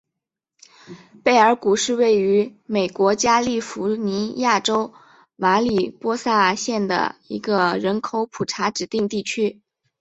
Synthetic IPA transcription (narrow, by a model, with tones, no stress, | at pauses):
pe˥˩ɪə˞˧˥ku˨˩ʂɻ̩˥˧we˥˩ɪy˧˥me˨˩ɪkwɔ˧˥t͡ɕja˥li˥˩fu˧˥ni˧˥ja˥˩ʈ͡ʂo˥ʊ | ma˧˥li˨˩pwɔ˥sa˥˩ɕjɛ˥˩nd̪ə̰˩ḭ˧˥ɡə˧ɻə˧˥nkʰo˧˥ʊpʰu˨˩ʈ͡ʂʰa˧˥ʈ͡ʂɻ̩˨˩t̪i˥˧ŋt̪i˥˩t͡ɕʰy˥